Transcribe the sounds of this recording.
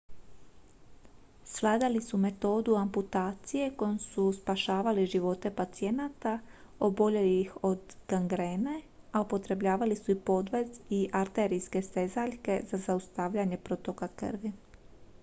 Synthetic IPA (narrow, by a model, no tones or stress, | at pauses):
sʋlˠaːd̪alisume̞t̪o̞ːd̪uamput̪aːt̪sije̞ko̞jomsuspaʃaːʋaliʒiʋo̞t̪e̞pat̪sije̞nat̪a | o̞bo̞ʎe̞liixo̞d̪ɡ̥aŋɡɾeːne̞ | aupo̞t̪ɾe̞bʎaːʋalisuipo̞d̪ʋe̞ziʔaɾt̪e̞ɾijske̞st̪e̞zaʎke̞zazaust̪aʋʎaɲe̞pɾo̞t̪o̞kakɨ̰ɾʋi